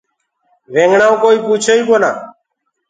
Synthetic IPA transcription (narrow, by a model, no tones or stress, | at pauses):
ʋẽːŋɡɳaːũkoːiːpuːt͡ʃʰeːiːkoːna̰ː